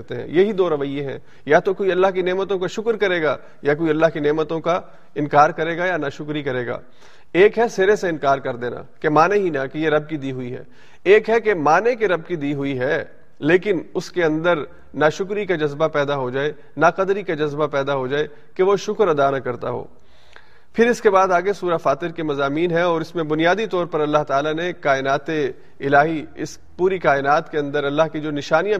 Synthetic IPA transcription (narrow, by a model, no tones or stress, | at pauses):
ɾt̪eɦɛ̰̃jeɦid̪oːɾɐʋəijːẽɦɛ̰̃ː | jat̪okoiɐlːaɦkineːmət̪õkaʃʊkɾkɐɾeːɡa | jak̬oiɐlːaːɦkineːmət̪õka | ɪnkaːɾkɐɾeːɡajanaʃʊkɾikɐɾeːɡa̰ː | eːkɦɛseɾeseɪ̃nkaːɾkɐɾd̪eːna̰kemaːneɦinakejeɾɐb̚kid̪iːɦʊiɦɛ̰ː | eːkɦɛkemaːnekeɾɐb̚kid̪iːɦʊiɦɛː | leːkɪnʊskeɐ̃nd̪əɾ | naʃʊkɾikad͡ʒɐzbapɛːd̪aɦod͡ʒaːe | naqɐd̪ɾikad͡ʒɐzbapɛːd̪aɦod͡ʒaːe | keʋoʃʊkɾɐd̪anakɐɾt̪aɦo̰ː | pʰɪɾɪskebaːd̪aːɡesuːɾafaːt̪ɪɾkemɐzaːmiːnɦɛ̃ɔːɾɪsmẽbʊnijaːd̪it̪ɔːɾpɐɾɐlːaɦt̪aːlanekaːɪnaːt̪e | ɪlaːɦiɪ̰s | puːɾikaːɪnaːt̪keɐ̃nd̪əɾɐlːaɦkid͡ʒoːnɪʃaːnijã